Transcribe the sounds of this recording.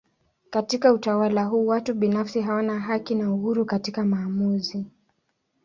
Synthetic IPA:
katikautawalaɦuːwatuɓinafsiɦawanaɦakinauhuɾukatikamaːmuzi

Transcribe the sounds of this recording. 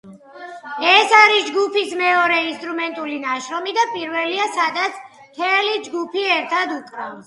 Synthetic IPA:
ɛsaɾisd͡ʒɡupismɛɔɾɛinst̪ʼɾumɛnt̪ʼulinaʃɾɔmid̪apʼiɾvɛliasad̪at̪sʰ | t̪ʰɛlid͡ʒɡupʰiɛɾt̪ʰad̪ukʼɾa

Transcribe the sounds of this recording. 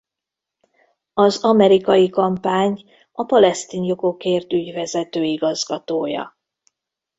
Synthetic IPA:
ɒzɒmɛɾikɒjikɒmpaːɲ | ɒpɒlɛst̪iːnjo̞ko̞keːrt̪yɟvɛzɛt̪øːiɡɒzɡɒt̪oːjɒ̰

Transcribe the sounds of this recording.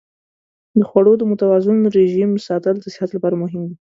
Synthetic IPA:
d̪əxwaɽod̪əmʊt̪awɑzʊnɾeʒimsɑt̪əld̪əsɪ̥hat̪lapɑɾamʊɦɪmd̪i

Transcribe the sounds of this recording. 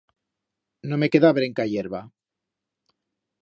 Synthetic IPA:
nome̞ke̞ðaβɾe̞ŋkajeɾβa

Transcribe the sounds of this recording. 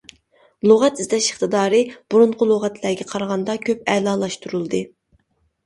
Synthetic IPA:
lˠoʁɛt̪izlɛʃɪχt̪ɨd̪ɑːɾɨb̥uɾuɴqʰʊlˠoʁɛt̪ʰlæɾɡʲɛqʰɑɾʁɑnd̪ɑkʲʰøp̚ɛlɑːlˠɑʃt̪uɾulˠd̪ɨ

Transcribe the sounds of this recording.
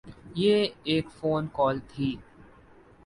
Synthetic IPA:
jeːeːkfoːnkɔːlt̪ʰiː

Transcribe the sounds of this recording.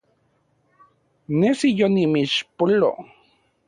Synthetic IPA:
nesijonimiʃpolo̰

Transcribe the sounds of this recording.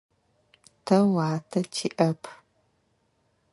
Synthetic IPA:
tʰɐwaːtʰɐtʰiʔɐpʰ

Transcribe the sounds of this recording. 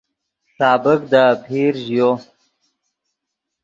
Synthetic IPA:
sɑːbɪkd̪əpʰiːɾʒjo

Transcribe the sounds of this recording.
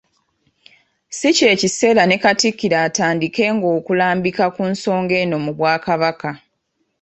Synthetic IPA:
sice̞ːcise̞ːɾane̞katikːiɾaːtaːndike̞ːŋɡo̞ːkulaːmbikakunso̞ːŋɡe̞ːno̞muβwaːkaβaka

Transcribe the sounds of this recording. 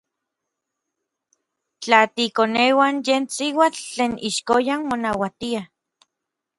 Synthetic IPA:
t͡ɬat̪ikonewanjeːnsiwat͡ɬːeːnʔiʃkojanmonawat̪ia

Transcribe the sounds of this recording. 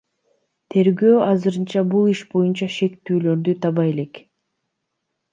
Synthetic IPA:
t̪ʰe̞ɾɡøːɑzɯɾɯnt͡ʃɑbulˠiʃbo̞junt͡ʃɑʃe̞kt̪yːlø̞ɾd̪yt̪ʰɑβɑje̞le̞k

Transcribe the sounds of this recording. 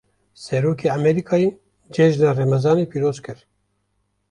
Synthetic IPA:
sɛɾoːkʰeːamɛɾiːkʰɑːje | d͡ʒɛʒnarɛmɛzɑːneːpiːɾoːzkɨɾ

